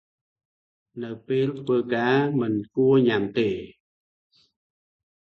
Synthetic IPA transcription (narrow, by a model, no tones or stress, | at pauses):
nɨwpeːlt̪ʰʋəːkaːmɨnkuəɲamt̪eː